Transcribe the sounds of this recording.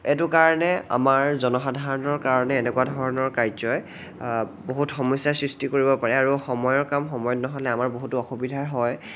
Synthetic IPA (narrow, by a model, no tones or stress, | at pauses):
ɛtʊkaɹɔnɛa̰maɹzɔnɔxadʱaɹɔnɔɹkaɹɔnɛːnɛkwadʱɔɹɔnɔɹkajzɔj | boɦutxɔmɔjsasɹistikoɹibɔpaɹɛaɹuxɔmɔjɔɹkamxɔmɔjɔtnɔɦɔlɛamaɹboɦutʊɔxubidʱaɹɦɔj